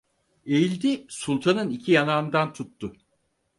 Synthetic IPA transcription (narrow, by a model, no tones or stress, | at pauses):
ejilʲd̪isulʲˠt̪ʰanɯnicʰijanand̪ant̪ʰut̪ːʊ